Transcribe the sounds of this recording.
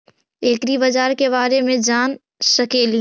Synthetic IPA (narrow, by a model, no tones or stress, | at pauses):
eːkɾibɐd͡ʒaːɾkeβaːɾemẽd͡ʒaːn | sɐkeːli